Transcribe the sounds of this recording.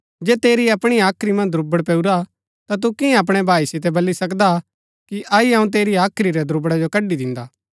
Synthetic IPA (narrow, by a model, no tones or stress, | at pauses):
d͡ʒɛːt̪eːɾiɐpɽ̃iaːkʰɾimɐ̃nd̪ʱɾʊbəɽpɛːuɾa | t̪at̪̬ukɪ̃ɛ̃ɐp̬ɽ̃ɛbʱaːisɪt̪ɛbɐlːisɐkd̪a | kiʔɐiɐ̃ũt̪̬eːɾiaːkʰɾiɾɛd̪ʱɾʊbəɽad͡ʒokɐɖːid̪ɪ̃nd̪aː